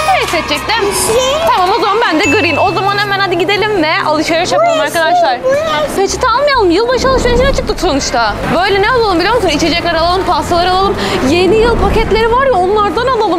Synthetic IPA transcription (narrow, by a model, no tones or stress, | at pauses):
ɾsɛt̪̚t͡ʃɛc̚t̪æm | t̪ʰamamo̞zamambænd̪ɛɡɯɾɯjino̞zamanhemænad̪ɯɟid̪e̞lʲimnɛʔalˠɯʃajaɾt͡ʃʰapɯjoɾˠumaɾkad̪aʃlˠaɾfet͡ʃʰi̥t̪ʰalˠmajalˠɯmjɯlˠbaʃalˠɯʃaʃinɛt͡ʃʰɯ̥k̚t̪ɯksʰonuʃt̪ʰa | bø̞jlʲɛnɛalˠalˠɯmbilʲijomusunit͡ʃʰe̞d͡ʒɛcaɾalˠalˠɯmpʰasalˠaɾɯalˠalˠɯmje̞nijɯlˠpʰacɛt̪lʲe̞ɾivaɾjao̞nlˠaɾd̪analˠalˠɯm